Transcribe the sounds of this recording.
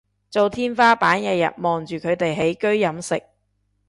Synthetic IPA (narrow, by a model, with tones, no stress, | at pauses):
t͡so˨wt̪ʰiː˥nfaː˥paː˨˥nkɛː˧jɐ̰˨t̚mɔː˨˩ŋt͡ʃyː˨kʰɵ˨˧ɥt̪e˨jɦe˨˥jkɵ˥ɥjɐ˨˥msɪ̰˨k̚